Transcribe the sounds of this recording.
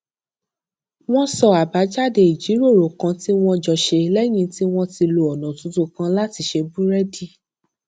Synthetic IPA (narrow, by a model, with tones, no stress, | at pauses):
w̃ɔ̃˦sɔ˧a˨ba˨˦d͡ʒa˦˨de˧i˨d͡ʒi˨˦ɾo˦˨ɾo˨kã˧ti˦w̃ɔ̃˧d͡ʒɔ˧ʃe˧lɛ˦j̃ĩ˧ti˦w̃ɔ̃˦ti˧lo˧ɔ˨nã˨tũ˨˦tu˦kã˦˧la˦ti˧ʃe˧bu˦ɾɛ˦di˦